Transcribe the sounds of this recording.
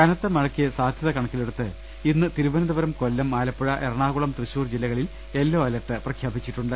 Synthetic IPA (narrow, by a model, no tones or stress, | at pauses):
kɐnɐt̪ːemɐɻɐkːiesaːd̪ʱjɐðɐkɐɳɐkːileɽut̪ːɨ | inːɨt̪iɾuʋɐnɐd̪ɐʋɐɾɐmko̞lːɐmaːlɐpːuɻɐʔeɾɐɳaːɣuɭɐmt̪rɨɕuːrd͡ʑilːɐɣɐɭil | e̞lːoːɐlɐʈːɨprɐkʰjaːbit͡ɕːiʈːuɳɖɨ